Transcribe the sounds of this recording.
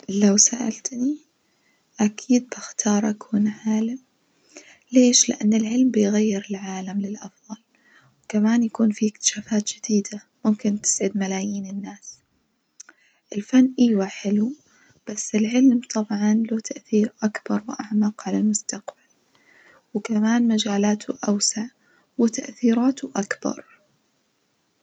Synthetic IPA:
lawsaʔa̰lt̪ni | ʔakʰiːd̪̚bɪxt̪ʰɑːɾˤʔakʰuːnʕaːlam | leːʃlɪ̰ʔa̰nːɪlʕɪlmbɪjɣajːɪɾɪlʕaːlamlɪlʔɑfðˤɑl | wkamaːnjakuːnfiɪk̚t̪ɪ̥ʃaːfaːt̪d͡ʒɪd̪iːd̪a | mʊmkɪnt̪ɪ̥sʕɪd̪malaːjiːnɪnːaːs | ʔɪlfanːʔɪːwaħɪlu | b̥asːɪlʕɪlmt̪ˤʰɑbʕɑnloːt̪ʰaʔθiːɾʔakbɑɾˤwʔaʕmaːqʕalalmʊst̪aqb̥al | wɪkamaːnmad͡ʒaːlaːt̪ʰʊʔawsaʕ | wɪt̪aʔθiːɾaːt̪ʊʔakbɑ̰ɾˤ

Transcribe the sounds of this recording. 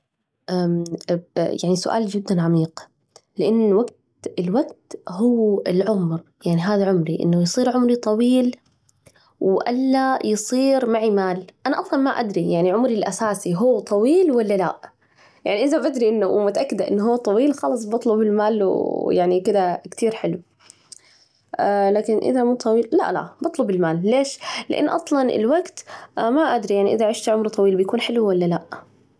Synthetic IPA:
ʔa | jaʕnisʊʔa̰ːld͡ʒɪd̪ːanʕamiːq | lɪʔɪnːwaɡt̪ | ɪlwaɡt̪hʊːɪlʕʊmɾjaʕniɦaːðaʕʊmɾiʔɪ̰nːʊjsˤiːɾʕʊmɾit̪ˤɑwiːl | wʔalːajɨsˤiːɾmaʕimaːlʔanaʔɑflɑlmaʔa̰d̪ɾijaʕniʕʊmɾilʔasaːsiɦuːt̪ˤɑwiːlwalːala̰ | jaʕniʔɪðabad̪ɾiʔɪnːʊmʊt̪aʔakːɪd̪aʔɪ̰nːɦuːt̪ˤɑwiːlxɑlɑs̬ˤbɑt̪ˤlʊbɪlmaːljaʕnikɪd̪akt̪ʰiːɾħɪlw | laːkɪnʔɪ̰ðamuːt̪ˤɑwiːlla̰ʔla̰bɑt̪ˤlʊbɪlmaːlːeːʃlɪʔa̰nːʔɑsˤlɑnʔɪ̰lwaɡt̪maʔad̪ɾijaʕniʔɪðaʕɪʃt̪iʕʊmɾt̪ˤɑwiːlbɪjkuːnħɪlwwalːalaʔ

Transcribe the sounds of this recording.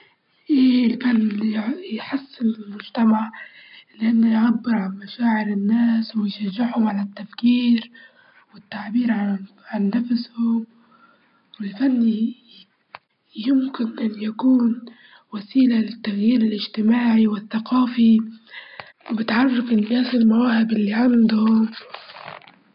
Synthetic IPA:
ʔelfanːijħasːɪnɪlmʊd͡ʒt̪amaʕlɪʔanːʊjʕabːɪɾʕanmaʃaːʕɪɾɪnːaːswɪjʃaʒːɪʕhʊmʕalat̪ːafkiːɾ | wɪt̪ːaʕbiːɾʕa | ʕanːafshʊm | wɪlfanːi | jɪmkɪnʔɪnːjakuːn | wasiːlalɪt̪ːaɣjiːɾɪlʔɪd͡ʒt̪ɪmaːʕiwɪθːaqɑːfi | wɪbɪt̪ʕɑrˤːɑfɪnːaːsɪlmawaːhɪbʔɪlːiʕand̪ʊhʊm

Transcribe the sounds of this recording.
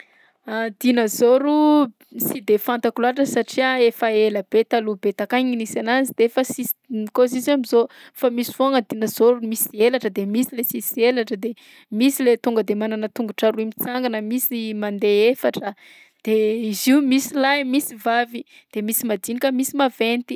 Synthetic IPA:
ad̪inəzoɾu | sid̪efant̪akulaʈ͡ʂəsaʈ͡ʂiaefaeləb̥et̪alubet̪akaɲinisanazid̪eefəsis | ikoziziamizofamisi̥voaŋəd̪inəzoɾumisielaʈ͡ʂəd̪emisilesisielaʈ͡ʂəd̪e | misilet̪uŋɡəd̪emananət̪uŋɡuʈ͡ʂaɾuimit͡saŋɡanəmisimand̪eefaʈ͡ʂə | d̪̥eiziumisilajmisivavi | d̪̥emisimad̪inikəmisimavent̪i̥

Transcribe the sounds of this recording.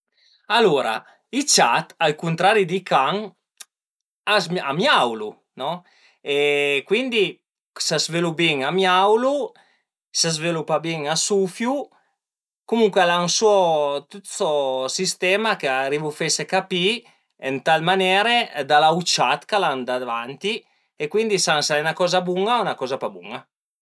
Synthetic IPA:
aloɾa̰ | it͡ʃat̪alkunt̪ɾaɾid̪ikʰaŋ | azmamjawlu | nɔ | ekwind̪i | sazvelubiŋamjawlu | sazvelupabiŋasufju | kumuŋkwealansuɔt̪ut̪sosist̪ɛːmakeaɾivufesekapi | ent̪almanɛːɾed̪alawt͡ʃat̪kaland̪ad̪avant̪i | ekwind̪isaŋsaɛnakɔːzabuŋaunakɔːzapabṵŋa

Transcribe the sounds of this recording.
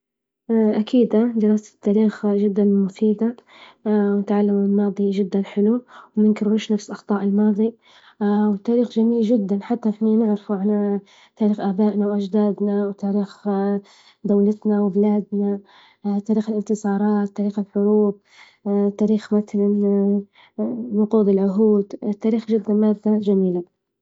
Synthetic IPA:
ʔakiːd̪ad̪ɪɾaːsḁt̪ːaːɾiːxʒɪd̪ːanmʊfiːd̪a | wnɪt̪ʕalːamɪlmɑːðˤiʒɪd̪ːanħɪluwmɪnkɪɾwuːʃnafsʔɑxt̪ˤɑːʔɪlmɑːðˤi | wɪt̪ːaːɾiːxd͡ʒamiːld͡ʒɪd̪ːanħat̪ːafmiːnɪʕɾɪfuʕana | t̪aːɾiːxʔaːbaːʔnawʔad͡ʒd̪aːd̪nawt̪aːɾiːx | d̪awlat̪nawɪbɪlaːd̪na | t̪aːɾiːxɪlɪnt̪ɨsˤɑːɾˤɑːt̪ːaːɾiːxɪlħʊɾuːb̚ | t̪ːaːɾiːxmaθalan | nʊquːd̪ɪlʕʊɦuːd̪t̪ːaːɾiːxd͡ʒɪd̪ːanmaːd̪ːad͡ʒamiːla

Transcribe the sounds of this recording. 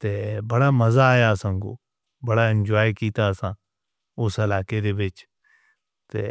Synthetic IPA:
t̪eːbəɽaːməzaːjaəsãːko̰ː | bəɽaɪ̃nd͡ʒɔːjkiːt̪aəsãː | ʊsəlaːkeɾeːʋɪt͡ʃ | t̪eː

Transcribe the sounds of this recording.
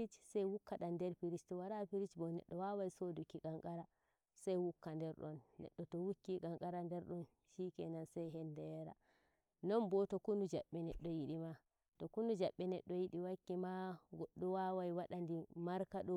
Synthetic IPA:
it͡ʃsajwukːaɗandɛɾpiɾit͡ʃtɔwaɾapiɾit͡ʃbɔnɛ̰ɗːɔwawajisodukːiɡaŋkaɾa | sajwukːandɛɾɗɔnːɛ̰ɗːɔtɔwukːiɡaŋkaɾandɛɾɗɔn | ʃikɛnansajɦɛndɛɾa̰ | nɔnbɔtɔkundud͡ʒaɓːɛnɛɗːɔjiɗima | tɔkunud͡ʒaɓːɛnɛ̰ɗːɔjiɗiwakːimaɡɔɗːɔwawajwaɗandimaɾkaɗɔ

